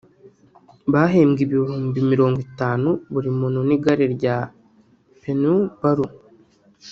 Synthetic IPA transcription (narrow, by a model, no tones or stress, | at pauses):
βaɦeːmɡiβihuːmbimiɾo̞ːŋɡitaːnuβuɾimuːnuniɡaɾeɾɟa | penubaɾu